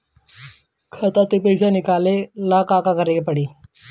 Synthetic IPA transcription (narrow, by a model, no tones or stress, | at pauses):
kʰət̪at̪epəjsanikalelakakakəɾepəɽiː